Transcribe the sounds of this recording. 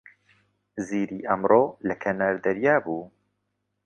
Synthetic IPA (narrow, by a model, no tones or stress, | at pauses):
ziːɾiːʔɐmroːlɛkʰɛnaːɾd̪ɛɾjaːbuː